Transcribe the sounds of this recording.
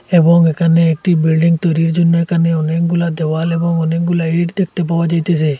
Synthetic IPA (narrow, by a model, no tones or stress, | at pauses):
ebɔŋekʰaneːk̚ʈibilɖiŋt̪ɔɾiɾd͡ʒunːɔkʰaneɔnek̚ɡulad̪ɛwalebɔŋɔnek̚ɡulaiʈd̪ek̚ʰt̪ep̬abad͡ʒajt̪esɛ